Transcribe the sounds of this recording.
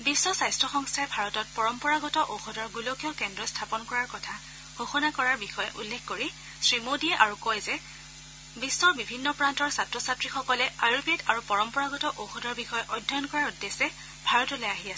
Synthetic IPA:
bisːɔsajstʰɹɔxɔŋstʰaɛbʱaɹɔtɔt̚pɔɹɔmpɔɹaɡɔtɔʔowxɔdɔɹɡulokijɔkɛndɹɔstʰapɔnkɔɹaɹkɔtʰa | xoxɔnakɔɹaɹbixɔjɛʔulːexkoɹi | sɹimodiɛʔaɹukɔjzɛ | bisːɔɹbibʱinːɔpɹantɔɹsatɹɔsatɹixɔkɔlɛajubetaɹupɔɹɔmpɔɹaɡɔtɔʔowxɔdɔɹbixɔjɛʔɔjdʱːɔjɔnkɔɹaɹudːesɛ | bʱaɹɔtɔlɛaɦiasɛ

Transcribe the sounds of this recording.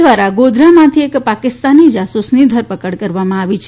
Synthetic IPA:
ʋaɾaɡod̪ɾamãt̪ʰiekpakɪst̪anid͡ʒasusnid̪ʱəɾpəkəɽkəɾʋamãaʋit͡ʃʰ

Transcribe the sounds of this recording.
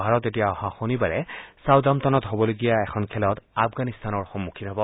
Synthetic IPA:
bʱaɹɔtetijaɔhãxonibaɹɛsawdamtɔnɔtɦobɔloɡijaɛkʰɔnkʰɛlɔtafɡanist̪anɔɹxɔmːukʰinɦɔbɔ

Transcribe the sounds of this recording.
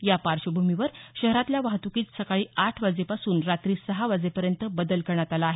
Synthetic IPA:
japaɾɕəbʱumiʋəɾɕəɦɾat̪ljaʋaɦt̪ukiːt͡ssəkaɭiːaʈʰʋad͡zepasuːnɾat̪ɾiːsəɦaʋad͡zepəɾjənt̪əbəd̪əlkəɾɳat̪alaːɦe

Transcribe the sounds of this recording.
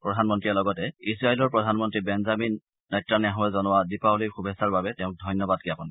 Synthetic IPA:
pɹɔdʱanmɔntɹiɛlɔɡɔtɛisɹaelɔɹpɹɔdʱanmɔntɹibɛnzaminː | ɔjtɹanɛaɦɔɛzɔnʊwadipauliɹxubʱɛsaɹbabɛtɛʊ̃k̚dʱɔjnjɔbad̚kiapɔn

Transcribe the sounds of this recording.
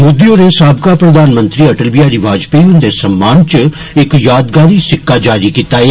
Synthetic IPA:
mud̪ijõːnesaːbkaːpɾəd̪aːnmənt̪ɾiːəʈəlbijaːɾiːʋaːd͡ʒpeiʊnd̪eːsəmːaːnt͡ʃə | ɪkjaːd̪ɡaːɾiːsɪkːaːd͡ʒaːɾiːkiːt̪aːeː

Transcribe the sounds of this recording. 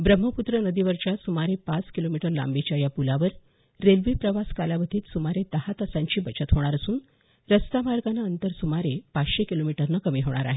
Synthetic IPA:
bɾəm̤ːəput̪ɾənəd̪iʋəɾt͡ɕjasumaɾepat͡skilomiʈəɾla̰mbet͡ɕjajapulaʋəɾː | elʋipɾəʋaskaljaʋət̪ʰiːt̪sumaɾed̪̥əhat̪əsãɲt͡ɕiːbət͡ɕət̪ɦoɽ̃aɾəsuːn | ɾəst̪amaɾɡanaənt̪əɾsumaɾepat͡sɕekilomiʈəɾnəkəmiːɦoɽ̃a̰ɾa̰ɦe

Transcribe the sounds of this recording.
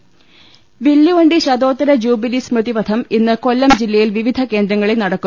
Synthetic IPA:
ʋilːuʋɐɳɖiɕɐd̪oːt̪ːɐɾɐd͡ʑuːbilismrɨðipɐd̪ʰʱɐminːɨko̞lːɐmd͡ʑilːɐjilʋiʋid̪ʱɐke̞ːnd̪ɾɐŋːɐɭilnɐɽɐkːu

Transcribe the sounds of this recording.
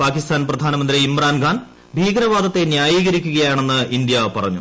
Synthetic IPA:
paːkist̪ʰaːnprɐd̪ʱaːnɐmɐnd̪riːmraːnɡʱaːn | bʱiːɡɾɐʋaːd̪ɐt̪ːe̞njaːjiːɣɐɾikʲːuɣɐjaːɳe̞nːɨʔind̪jɐpɐrɐɲːṵ

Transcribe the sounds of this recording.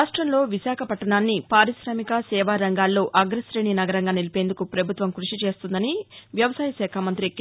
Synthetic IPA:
aːʂʈɾɐmlo̞ːʋisaːkʰɐpɐʈːɐɳaːnːipaːɾisɾaːmikɐsɛːʋaːɾɐŋɡaːlːo̞ːʔɐɡɾɐsɾeːɳinɐɡɐɾɐŋɡaːnilipend̪ukupɾɐbʱut̪ʋɐmkɾuʂit͡ʃe̞ːst̪und̪ɐniʋjɐʋɐsaːjɐsɛːkʰaːmɐnt̪ɾikː

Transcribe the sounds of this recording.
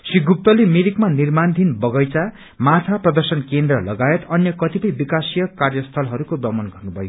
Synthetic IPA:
siɡʱup̚t̪ʌlemiɾikmanirmand̪ʱinbʌɡʌjt͡sa | mat̪ʰaprʌd̪ʌrsʌnkend̪rʌlʌɡaet̪ʌnjʌkʌt̪ipʌjbikasijʌkarjʌst̪ʰʌlɦʌɾukobʌmʌnɡʌrnubʱʌjo

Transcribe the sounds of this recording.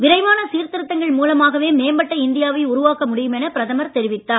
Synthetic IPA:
ʋɪɾɐɪʋaːnɐsiːɾt̪ɪɾɯt̪ːɐŋɡɐɭmuːlɐmaːɣɐʋeːmeːmbɐʈːɐɪnd̪ɪjaːʋɐɪʊɾʊʋaːkɐmʊɽɪjɯmɛnɐpɪɾɐðɐmɐɾt̪ɛɾɪʋɪt̪ːaːn

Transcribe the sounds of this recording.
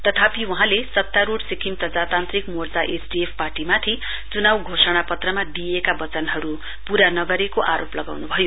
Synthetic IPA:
t̪ʌt̪ʰapiwuɦãlesʌt̪jaɾuɽsikʰimt̪ʌd͡zat̪ant̪rikmord͡zaʔesɖiepʰparʈimat̪ʰi | t͡sunawɡʱosʌɽ̃apʌt̪rʌmad̪ijekabʌt͡sʌnɦʌɾu | puɾanʌɡʌɾekoʔaɾoplʌɡa̰wnubʱʌjo

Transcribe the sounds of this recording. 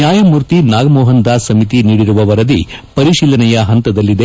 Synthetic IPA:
jaːjɐmuːɾt̪inaːɡɐmɔːɦɐnd̪aːsɐmit̪iniːɽiɾuʋɐʋɐɾɐd̪ipɐɾiʃiːlɐnɛjɐɦɐnt̪ɐd̪ɐlːid̪e

